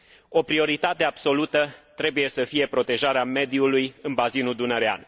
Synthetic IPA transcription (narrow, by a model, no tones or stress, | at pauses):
o̞pɾio̞ɾit̪at̪e̞ab̥so̞lut̪ət̪ɾe̞buje̞səfije̞pɾo̞t̪e̞ʒaɾeame̞d̪iulujɨnbazinuld̪unəɾea̰n